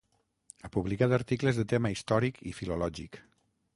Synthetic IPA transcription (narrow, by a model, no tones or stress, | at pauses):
apuβlikat̪əɾt̪ikləzðət̪eməist̪ɔɾikʰḭfilulɔʒik